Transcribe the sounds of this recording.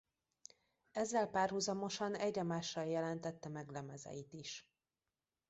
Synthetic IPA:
ɛzːɛlpaːrɦuzɒmo̞ʃɒnɛɟːɒmaːʃːɒljɛlɛnt̪ɛt̪ːɛmɛɡlɛmɛzɛ̰jit̪iʃ

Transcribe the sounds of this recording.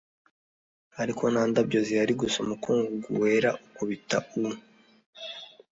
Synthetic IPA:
aɾiko̞naːndabɟoziaɾiɡusomukʰuːŋɡuɡṵwe̞ɾaʔukoβitaunu

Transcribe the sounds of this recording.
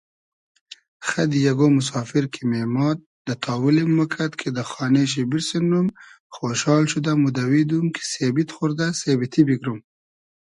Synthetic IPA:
xad̪ijaɡomʊs̬ɑːfiɾkʰememɑt̪̚d̪ət̪ʰɑːwulimːukʰat̪kʰed̪əxɑːneʃ̬ebiɾsenːum | xoʃɑːlʃud̪amud̪awid̪umkʰe̥sebit̪xʊɾd̪asebit̪ʰibiɡɾum

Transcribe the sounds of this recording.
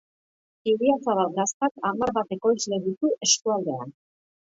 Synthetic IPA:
iβiat͡saβat̪ɡast̪akamaɾβat̪e̞ko̞jzle̞ɣit̪uʔe̞skuald̪e̞a̰n

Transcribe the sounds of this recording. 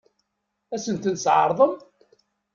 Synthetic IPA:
æsənt̪ənsʕə̰ɾˤðˤəm

